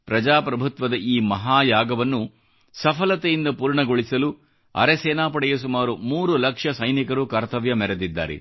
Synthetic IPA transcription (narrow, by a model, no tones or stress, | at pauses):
pɾɐd͡ʒaːpɾɐbʱut̪ʋɐd̪ɐʔiːmɐɦaːjaːɡɐʋɐnːu | sɐpʰɐlɐt̪ejind̪ɐpuːɾɳɐɡoɭisɐlu | ɐ̰ɾesɛːnaːpɐɽɛjɐs̬umaːɾumuːɾulɐkʂɐsɐjnikɐɾukɐɾt̪ɐʋjɐmɛɾed̪id̪ːa̰ːɾɛ̰